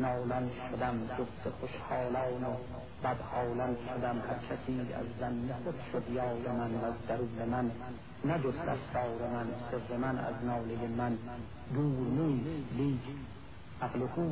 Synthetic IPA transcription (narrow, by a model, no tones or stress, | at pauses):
nɑːlænd̪ʃod̪æmd͡ʒoft̪ʰeχoʃhɑːlɒːne | b̥æd̪hɒːlænd̪ʃod̪æmhæɾkʰæsiːæ̰zːænːexod̪ʃod̪jɒːɾemænvæzd̪æɾuːlemænː | æd͡ʒod̪d̪æ̰st̪ɒːɾemænseɾːemænæ̰znɒːlejemæn | d̪uːɾneiːst̪liːkʰ | ʔæɣlehuː